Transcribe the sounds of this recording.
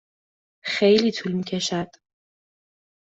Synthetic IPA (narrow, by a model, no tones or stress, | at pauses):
χejlit̪ʰulmikʲʰɛʃad̪ʼ